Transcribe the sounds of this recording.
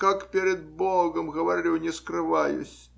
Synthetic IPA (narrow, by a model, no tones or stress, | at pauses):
kakpʲeɾʲɪd̪̚bolˠɡəmɣəvɐɾʲilʲunʲɪskɾɨvajʊ̰sʲ